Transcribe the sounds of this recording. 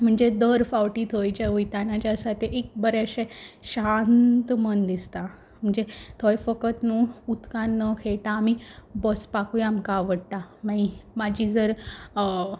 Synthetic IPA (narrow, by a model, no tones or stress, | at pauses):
m̤əɳd͡zed̪əɾfawʈiːt̪ʰojt͡ɕaujt̪anat͡ɕasat̪ʰeʔek̚bəɾɛɕeɕant̪mənd̪ist̪a | m̤əɳd͡zet̪ʰojfəkət̪nũut̪kãnːəkʰeɭʈaːmibɔspakujamkaʋəɽt̪amãimad͡ʑiːd͡zəɾ